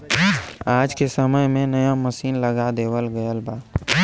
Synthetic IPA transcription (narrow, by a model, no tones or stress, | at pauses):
aːd͡ʒkesəməjmẽnəjaməsiːnləɡad̪eːwəlɡəjəlbaː